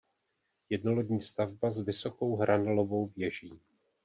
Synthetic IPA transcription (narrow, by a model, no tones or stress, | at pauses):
jɛdno̞lodɲiːst̪avbazvɪso̞ko̞wɦɾʔanalo̞vo̞wvjɛʒiː